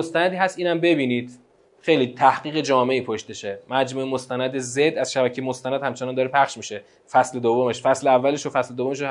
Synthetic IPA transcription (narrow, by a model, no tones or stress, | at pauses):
most̪ænæd̪iːɦæst̪iːnæmbe̞biːniːd̪̥ | xe̞jliːt̪ʰæhɡiːɣe̞d͡ʒɒːme̞ʔiːpʰoʃt̪eʃemæd͡ʒmuːemost̪ænæd̪ezed̪ːæzʃæbæcʰejemost̪ænæd̪hæmt͡ʃʰenɒːnd̪ɒːɾepʰæχʃmiʃe | fæsled̪ovːome̞ʃfæsleævːæleʃofæsled̪ovːomeʃ̬o